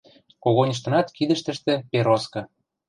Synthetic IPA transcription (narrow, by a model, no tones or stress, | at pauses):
koɣonʲəʃ̬t̪ɤ̆nɑt̪kid̪ə̆ʃt̪ə̆ʃt̪ĕpeɾoskɤ̆